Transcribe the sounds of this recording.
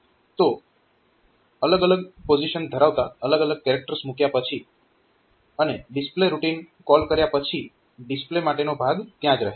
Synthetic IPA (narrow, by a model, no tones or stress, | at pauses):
t̪o | ələɡələɡpod͡ʒiʃənd̪ʱəɾaʋt̪aələɡələɡ̚kɛɾek̚ʈəɾsmukjapət͡ʃʰi | əneɖɪspleɾuʈinkɔlkəɾjapət͡ʃʰi | ɖɪsplemaʈenobʱaɡt̪jãd͡ʒɾəɦe